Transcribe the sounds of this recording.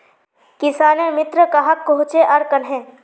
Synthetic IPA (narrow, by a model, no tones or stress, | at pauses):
kɪsaːnemɪt̪ɾəkaɦɐkːoɦʊ̃t͡ʃeʔɐɾkɐnɦɛ̃ː